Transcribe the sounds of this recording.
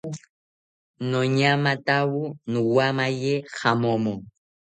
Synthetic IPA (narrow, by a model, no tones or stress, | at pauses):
nɔɲamatawunuwamajɛxamɔmɔ